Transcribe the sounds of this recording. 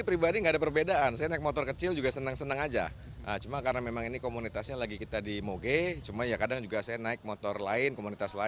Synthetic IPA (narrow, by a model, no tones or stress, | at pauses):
ipɾibadiŋɡaːdapərbedaʔansajanaɪk̚mot̪ɔrkət͡ʃɪld͡ʒuɡasənəŋsənəŋad͡ʒa̰ | ʔə̰t͡ʃumakaɾənamemaŋinikomunit̪asɲalaɡikit̪adimoɡet͡ʃumajakadaŋd͡ʒuɡasajanaɪk̚mot̪ɔrlaɪnkomunit̪asla